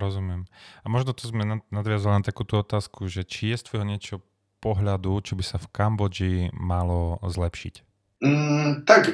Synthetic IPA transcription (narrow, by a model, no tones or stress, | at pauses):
ɾɔzumɪɛmamɔʒnɔt̪ɔzmɛnanad̪ʋɪazalilnat̪akuːt̪uɔt̪aːskuʒɛt͡ʃijɛst̪ʋɔjɦɔɲɪɛt͡ʃɛɦɔ | pɔɦʎad̪ut͡ʃɔbisafkambɔd͡ʒimalɔzlɛpʃḭc̩ː | t̪ak